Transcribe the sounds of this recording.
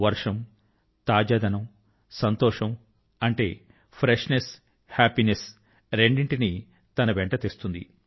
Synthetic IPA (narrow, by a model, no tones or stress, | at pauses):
ʋɐɾʂɐm | t̪aːd͡ʒaːd̪ʱɐnɐm | sɐnt̪ɔːʂɐm | ɐɳʈe̞ː | pʰɾeʂnes | haːpines | ɾe̞ɳɖiɳʈini | t̪ɐnɐʋeɳʈɐt̪est̪und̪ḭ